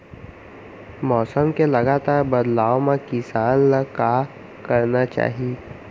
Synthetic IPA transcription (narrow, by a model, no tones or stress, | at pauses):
mɔːsəmkelɐɡaːt̪aːɾbɐd̪laːʋmãkɪsaːnlka | kɐɾnat͡ʃa̰ːɦieː